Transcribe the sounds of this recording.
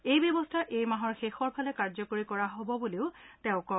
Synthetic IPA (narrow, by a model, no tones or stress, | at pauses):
ejbjɔbɔstʰaʔejmaɦɔɹxexɔɹpʰalɛkaɹzɔkoɹikɔɹaɦobɔbuleʊtɛʊ̃kɔ